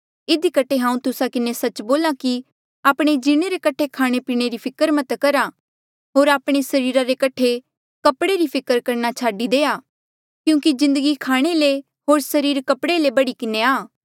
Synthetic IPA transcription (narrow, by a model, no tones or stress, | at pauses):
ɪd̪ikəʈʰːeɦãːũt̪ʊsakɪnesɐt͡ʃboːlaki | aːpɽ̃ed͡ʒɪɽ̃eɾekɐʈʰekʰaːɽ̃epiːɽ̃eɾipʰɪkəɾmɐt̪kɐɾa | ɦoːɾaːpɽ̃esɐɾiːɾaɾekɐʈʰe | kɐpɽeɾipʰɪkəɾkɐɾnat͡ʃʰaːɖid̪eːaː | kjũːkizɪ̃nd̪əɡikʰaːɽ̃ele | ɦoːɾsɐɾiːɾkɐpɽelebɐɽikɪneaː